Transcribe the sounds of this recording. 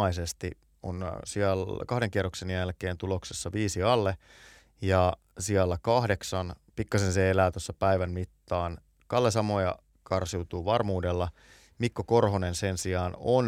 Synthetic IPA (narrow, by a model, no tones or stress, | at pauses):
ɑisest̪i | o̰nsiɑlkɑhdeŋkiɑrːˑoksenjælkeːnt̪ulo̞ksesːɑʋiːsiɑlːe | jɑ | siɑlːækɑhde̞ksɑnpikːɑsenseelæːt̪osːɑpæiʋænmit̪ːɑːn | kɑlːesɑmo̞jɑ̰ | kʰɑrsiut̪uːʋɑrmuːdelːɑ | mikːoko̞rɦonensensiɑːno̰n